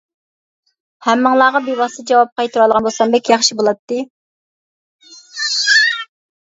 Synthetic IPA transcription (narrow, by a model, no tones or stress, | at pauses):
hæmːəŋlˠɑːʁɑbebɑsɨd͡ʒɑwɑp̚qʰɑjt̪ʰuɾɑlˠʁɑnbolˠsɑmbɛkʲjɑχʃibolˠɑt̪ːɨ